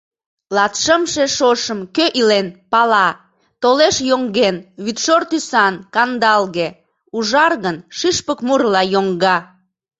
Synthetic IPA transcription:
lɑt̪ʃəmʃeʃoʃəmkøʔilenpɑlɑ | t̪oleʃjoŋɡenβyt̪ʃort̪ysɑnkɑnd̪ɑlɣe | uʒɑrɣənʃiʃpəkmurlɑjoŋɡɑ

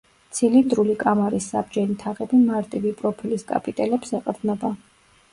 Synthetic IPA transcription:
t̪sʰilind̪ɾulikʼamaɾisːabd͡ʒɛnit̪ʰaʁɛbimaɾt̪ʼivipʼɾɔpʰiliskʼa̰pʼit̪ʼɛlɛpsɛqʼɾd̪nɔba

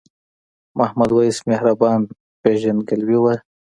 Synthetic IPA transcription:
mahmad̪waismehɾabɑn | peʒanɡalwiwə

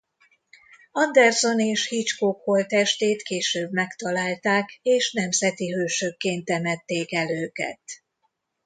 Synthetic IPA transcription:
ɒnd̪ɛrzo̞neːʃhit͡ʃkoːkholt̪ɛʃt̪eːt̪keːʃøːbmɛkt̪ɒlaːlt̪aːkeːʃnɛmzɛt̪iɦøːʃøkːeːnt̪ɛmɛt̪ːeːkɛløːkɛ̰t̪

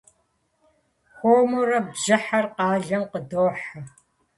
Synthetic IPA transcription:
xʷoːmurɐbʒɨħɐrqɑːɮɐmqədoːħa

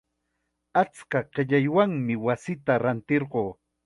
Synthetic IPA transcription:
at͡skaɢ̥eʎajwaŋmɪwasɪt̪aɾant̪eɾɢoː

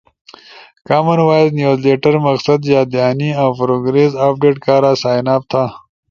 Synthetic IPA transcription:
kaːmɐnwaːjznjuːzleːʈɐɾmɐqsɐd̪jaːd̪aːniawpɾoɡɾesaːp̚ɖeːʈkaːɾaːsaːjnaːp̚t̪ʰaː

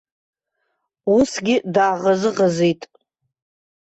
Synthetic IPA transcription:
usɡʲɪdaːʁazɨʁazijtʼ

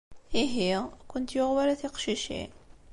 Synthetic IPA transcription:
iɦikʊnt̪joʁwæɾaθiqʃiʃḭ

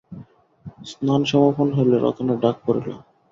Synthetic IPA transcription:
snanʃɔmoɾpʰonɦojleɾɔ̰t̪onaɖak̚poɾḛlo̰

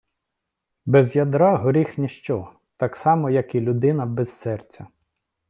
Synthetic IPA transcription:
bɛzjɐd̪ɾɑɦɔɾʲixnʲeʃt͡ʃɔ | t̪ɑksɑmɔjɐkilʲʊd̪ɪnɐbɛzːɛrt͡sʲɐ

